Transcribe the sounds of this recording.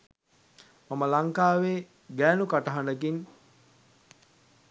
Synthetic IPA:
maməlaŋkaːʋeː | ɡæːnukaʈəɦaɳɖək̬iɲ

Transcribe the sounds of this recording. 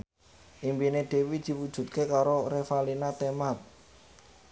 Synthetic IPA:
ʔimbineɖ̥e̤wid̪̥i̤wud̥ʒ̥ṳt̪̚kekaɾorefalinat̪emat̪̚

